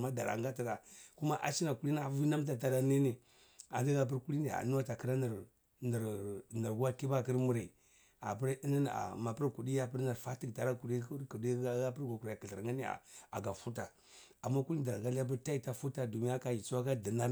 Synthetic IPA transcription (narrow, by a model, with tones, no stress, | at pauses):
ma˦da̰˨ɾa̰˨ŋɡa˦ti˨ɾa˨ku˦ma˦ʔa̰˦t͡ʃi˦na˨ku˦li˦na˦˨vi˦na˦m˦t̬a˨t̬a˨ɾa˨ni˦ni˨ | a̰˨ndi˦ɡa˨p̬i˦ɾku˦li˦ni˦˨a̰˨nu˦wa˦ta˨ki˨ɾa˦n˨ɾ | n˨ɾna˨ɾɡa˦ki˦ba˦˨kə˦ɾmu˨ɾa˨ | a̰˨pi˦ɾi˦ni˦n˨a̰˨ma˨pə˦ɾku˨di˦ja˦pi˦ɾna˨ɾfa˦ti˦ɡta˨ɾa˦ku˨di˦kku˨di˦a˦ɡa˦pə˦ɾɡa˨ku˨ɾa˨a˨ki˨ɬə˨ŋɡa˦ni˦a̰˨a̰˨ɡa˨fu˦t̬a˨ | a˨mːa˦ku˦li˦da˨ɾa˨ɡa˦la˦p̬u˦ɾta˦i˨ta˦fu˦ta˨du˨mi˦ja˦ka˨ji˨t͡su˦wa˦ka˦di˨na˦